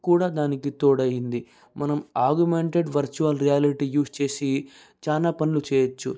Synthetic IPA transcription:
kuːɽaːd̪aːnikit̪oːɽɐjind̪i | mɐnɐmaːɾɡjumeɳʈeɖʋɐɾt͡ʃuɐlɾijaːliʈiːjuːst͡ʃe̞ːsi | t͡ʃaːlaːpɐnlut͡ʃɛːjɐt͡ʃːṵ

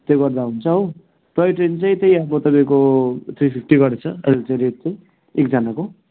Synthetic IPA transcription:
t̪joɡʌrd̪aɦunt͡sʰʌɦo | t̪ʌjʈrent͡saj̃t̪ʌj̃ʌbʌt̪ʌpaj̃kot̪ʰɾipʰip̚ʰʈiɡʌɾet͡sʰʌelt͡saɾet̚t͡sãj̃ | ekd͡zʌnako

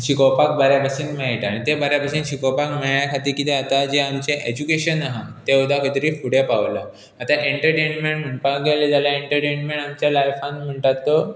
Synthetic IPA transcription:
ɕikopak̚baɾjabəsinmaɦiʈaɽ̃it̪ebaɾjabəɕiːnɕikopakmeɭjakʰat̪iːkit̪eat̪ad͡ʑeamt͡ɕeʔed͡ʑukeɕənaɦãt̪eud̪ʱakʰət̪ɾiːfuɽjapaʋlaː | t̪aʔeɳʈəɾʈenmeɳʈm̤əɳpaɡeled͡zalaeɳʈəɾʈenmẽɳamt͡ɕjalajfãnm̤əɳʈ̪at̪ːo

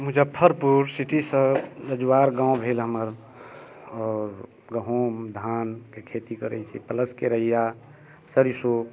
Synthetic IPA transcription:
mud͡ʒʱəpʰəɾpuɾsiʈisə̃ɾəd͡ʒwaɾɡãõbʱelɦəməɾ | ɔːɾ | ɡəɦomd̪ʱankekʰet̪ikəɾə̰jt͡ʃʰḭpələskeɾəɦija | səɾiso

